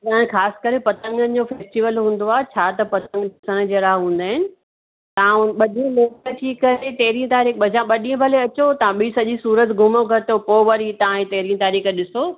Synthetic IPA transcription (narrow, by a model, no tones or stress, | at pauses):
t̪ɐ̃ãxaːsɪ̥̆kəɾepɐt̪ə̃ŋɡənɪ̆d͡ʑofeːsʈiʋəlɦũːn̆d̪oaːt͡ɕʰaːt̪ɐpɐt̪ə̃ŋɡdʱɪsəɽ̃̆d͡ʑeːɾaɦɦũːn̆d̪aːɦɪnɪ̆ | t̪ɐãɓɐɗĩloːkət̪ʰiːkːɐɾet̪eɦɾiə̃t̪aːɾiːkɐd͡ʑãɓɐɗĩə̃bʱɐleɐt͡ɕot̪ɐãɓiːsɐʄisuːɾət̪ɡʱʊmoɡʱɐt̪opoːʋɐɾit̪ɐãĩt̪ɐɦɾijə̃t̪aːɾiːkɗɪsoː